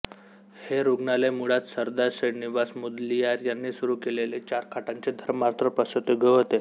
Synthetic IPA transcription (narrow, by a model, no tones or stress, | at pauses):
heɾuɡɳalemuɽat̪səɾd̪aɾsəɽniʋasmud̪liaɾjanːiːsuɾuːkelelet͡ɕaɾkʰaʈãɲt͡ɕed̪ʱəɾmaɾt̪ɾəpəsət̪eɡʱəɦot̪e